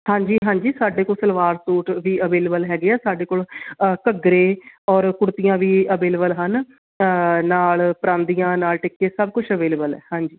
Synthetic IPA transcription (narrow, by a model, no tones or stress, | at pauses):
hãːɲd͡ʒiːɦãːɲd͡ʒiːsaːɖeːkoːlsəlʋaːɾsuːʈʋiːəʋeːləbəlɦɛːɡeɛːsaːɖeːkoːləkəɡɾeːɔːɾkʊɽt̪ijãːʋiːəbeːlbəlɦən | naːlpəɾãːnd̪ijãːnaːlʈɪkːeːsəb̚kʊt͡ʃʰəʋeːlːbəlɛ̰ːhãːɲd͡ʒiː